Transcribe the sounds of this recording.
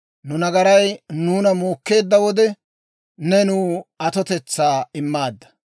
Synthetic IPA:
nʊnɐɡɐɾɐjnuːnɐmuːkːe̞ːd̪ːɐwɔd̪ɛ | nɛnuːɐt̪ɔt̪ɛt͡sːaːɪmːaːd̪ːɐ̥

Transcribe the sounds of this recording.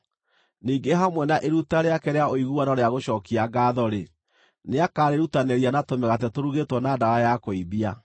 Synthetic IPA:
niːɡeɦamwɛnaʔeɾutaɾeakɛɾeaoiɣuanɔɾeaɣoɕɔːkiaɡaːðɔɾe | neakaɾeɾutaneɾianatomɛɣatɛtoɾuɣetwɔnadaɾajakoibia

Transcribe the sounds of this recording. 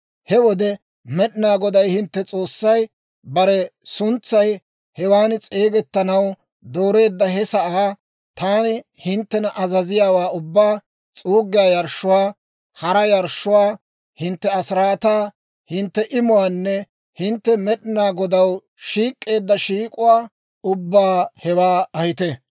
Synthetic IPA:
hɛwɔd̪ɛ | mɛɗɪnaːɡɔd̪ɐjhɪnt̪ːɛt͡sʼo̞ːsːɐj | bɐɾɛsʊnt͡sːɐj | hɛwaːnɪt͡sʼe̞ːɡɛt̪ːɐnɐw | d̪oːɾe̞ːd̪ːɐɦɛsɐʔaː | t̪aːnɪ | hɪnt̪ːɛnɐʔɐzɐzɪjaːwaːʊbːaː | t͡sʼuːɡɪjaːjɐɾʃːʊwaː | hɐɾɐjɐɾʃːʊwaː | hɪnt̪ːɛɐsɾaːt̪aː | hɪnt̪ːɛʔɪmʊwaːnːɛ | hɪnt̪ːɛmɛɗɪnaːɡɔd̪ɐw | ʃiːkʼːe̞ːd̪ːɐʃiːkʼʊwaː | ʊbːaːhɛwaːɐhɪt̪ɛ

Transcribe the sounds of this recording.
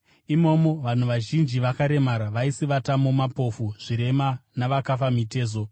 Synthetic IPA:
imo̞ːmo̞ʋan̤uʋaʒind͡ʒiʋakaɾe̞maɾaʋaisiʋatamo̞mapo̞fuʐ̥iɾe̞manaʋakafamite̞ːzo̞

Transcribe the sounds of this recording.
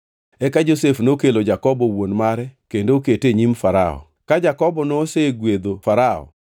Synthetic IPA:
ɛkad͡ʒosefnokelod͡ʒakɔbɔwonmaɾɛkendoketeɲimfaɾa̰ɔ̰ | kad͡ʒakɔbɔnoseɡwed̪ofaɾaɔ̰

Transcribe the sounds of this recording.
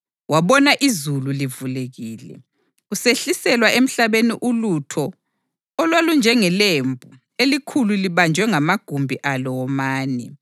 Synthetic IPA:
waβɔnaʔizululivuleɣiːlɛ̰ | useɬisɛlwaem̩ɬaβeniʔulutʰɔ | ɔlwalund͡ʒʱɛŋɛlembʱu | elikʰululiβand͡ʒʱwɛŋamaɡ̥ʱumbʱiʔalɔwɔmaːnɛ

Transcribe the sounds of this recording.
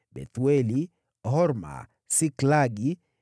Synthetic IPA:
bɛ̰t̪wɛli | ɦɔɾma̰ | siklaɡi

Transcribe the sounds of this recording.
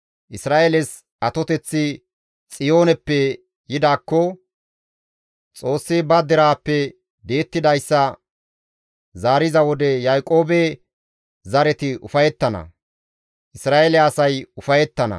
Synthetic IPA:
ʔɪsɾaːʔelɛs | ʔɐt̪ɔt̪ɛt͡sːɪ | t͡sʼɪjo̞ːnɛpːɛ | jɪd̪aːkːɔ | t͡sʼo̞ːsːɪbɐd̪ɛɾaːpːɛ | d̪e̞ːt̪ːɪd̪ɐjsːɐ | zaːɾɪzɐwɔd̪ɛjajkʼo̞ːbe | zɐɾɛt̪ɪʊfɐjɛt̪ːɐnɐ̰ | ʔɪsɾaːʔelɛɐsɐjʊfɐjɛt̪ːɐnɐ̰

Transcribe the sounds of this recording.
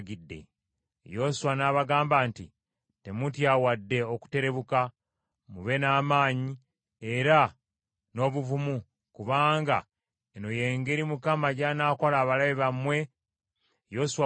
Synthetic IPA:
ɡidːe̞̰ | jo̞suwanaːβaɡaːmbaːnti | te̞mutjaːwadːe̞o̞ku̥te̞ɾe̞βuka | muβe̞naːmaːɲi | e̞ɾa | no̞ːβuvumu | kuβaːŋɡa | enoje̞ːŋɡe̞ɾimukamaɟanaːko̞laːβalaβiβamwe̞ | jo̞suwa

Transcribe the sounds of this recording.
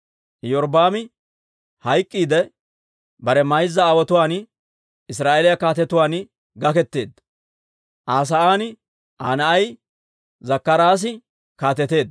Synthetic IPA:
jɔɾbaːmɪ | hɐjkʼːiːd̪ɛ | bɐɾɛmɐjzːɐːwɔt̪ʊwaːn | ɪs̬ɾaːʔelɪjɐkaːt̪ɛt̪ʊwaːn | ɡɐkɛt̪ːe̞ːd̪ːɐ | ʔaːs̬ɐʔaːn | ʔaːnɐɐj | zɐkːɐɾaːs̬ɪ | kaːt̪ɛt̪e̞ːd̪

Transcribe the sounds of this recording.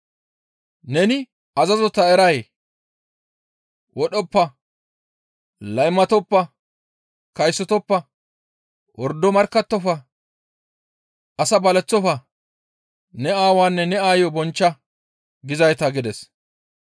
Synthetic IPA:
nɛnɪ | ɐzɐzɔt̪ːɐɛɾɐj | wʔɔɗɔpːɐ | lɐjmɐt̪ɔpːɐ | kɐjsːɔt̪ɔpːɐ | wʔɔɾd̪ːɔmɐɾkːɐt̪ːɔfɐ | ɐsɐbɐlɛt͡sːɔfɐ | nɛaːwaːnːɛnɛaːjɔbɔnt͡ʃːɐ | ɡɪzɐjt̪ɐɡɪd̪ɛs

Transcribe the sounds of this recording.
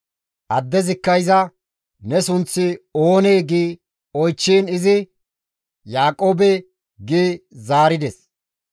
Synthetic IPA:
ʔɐd̪ːɛzɪkːɐjzɐ | nɛsʊnt͡sːɪoːneːɡiː | ɔjt͡ʃːiːnɪzɪ | jaːkʼoːbɛ | ɡiːzaːɾɪd̪ɛs

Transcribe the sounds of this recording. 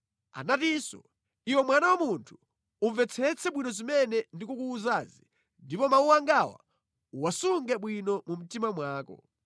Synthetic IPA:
a̰natisɔ | iwɛmwanawamuntʰu̥ | uɱvɛt͡sʰɛt͡sʰɛɓwinɔzimɛnɛndikukuːzazi | ndipɔmauwaŋɡawa̰ | uwasuŋɡɛɓwinɔmum̩timamwaːkɔ̰

